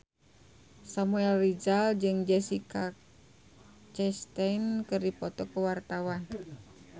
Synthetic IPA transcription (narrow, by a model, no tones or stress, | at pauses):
samuɛlːid͡ʒald͡ʒɨŋd͡ʒɛsika | t͡ʃɛst̪ainkɨrdipɔt̪ɔkəwart̪awan